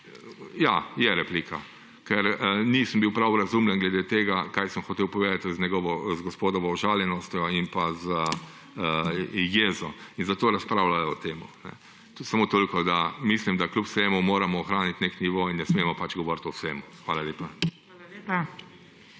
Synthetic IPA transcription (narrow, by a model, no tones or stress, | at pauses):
jajɛɾɛpliːkʰa | kɛɾniːsəmbiwpɾawɾazumljɛnɡlɛd̪eːt̪eːɡakajsəmxɔt̪eːwpɔʋeːd̪at̪znʲɛɡɔʋɔzɡɔspoːd̪ɔʋɔːʒaːljɛnɔst̪jɔinpazə | əjeːzɔinzat̪oːɾaspɾaːwlajɔɔt̪eːmṵnɛ̰ | samoːt̪oːlkɔd̪amislimd̪aklʲupseːmumoːɾamɔːxɾaːnit̪nekniʋoːinːɛsmeːmɔpat͡ʃɡɔʋoːɾt̪ɔsemuxʋaːlalʲeːpa | a